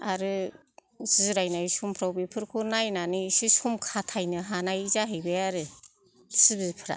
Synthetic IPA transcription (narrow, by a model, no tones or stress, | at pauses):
aɾɯ | zizɾajnajsumpʰɾawbipʰɯɾkʰunajnanɯsisumkʰatʰajnɯɦanajzaɦejbejaɾɯ | sibizpʰɯɾa̰